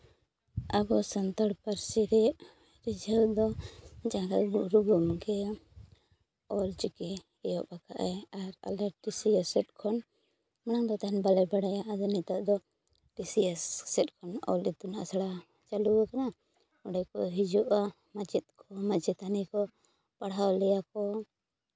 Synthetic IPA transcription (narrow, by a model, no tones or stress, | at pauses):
abɔsant̪aɽpaɾsiɾɛʔ | ɾid͡ʒʱəld̪ɔd͡ʒaɡaɡuʔɾuɡɔmɡɛ | ɔlt͡ʃuki | ɛjɔʔpaka̰ʔɛaɾa̰lɛʈisiəsɛt̪̚kʰɔn | mañaŋd̪ɔt̪aɦɛnbalɛbaɽajaʔad̪ɔnɛt̪aʔd̪ɔ | ʈisiasːɛt̪̚kʰɔnɔ̰lit̪una̰ʔsaɽa | t͡ʃaluakana | ɔɖɛkɔɦid͡ʒuʔa | mad͡ʒit̪̚kʰɔmad͡ʒɛt̪anɛkɔ | paɽɦawlɛjakɔ